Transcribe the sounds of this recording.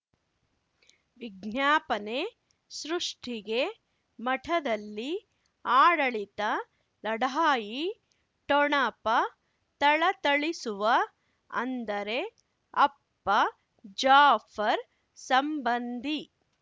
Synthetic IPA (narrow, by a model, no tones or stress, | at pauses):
ʋiɡnjaːpɐne̞ | sɾuʂʈʰiɡe̞ | mɐʈʰɐd̪ɐlːi | aːɽɐɭit̪ɐ | lɐɽaːji | ʈɔɳɐpɐ | t̪ɐɭɐt̪ɐɭisuʋɐ | ɐ̰nd̪ɐɾe̞ | ɐpːɐ | d͡ʒaːfʰɐɾ | sɐmbɐnd̪ʱi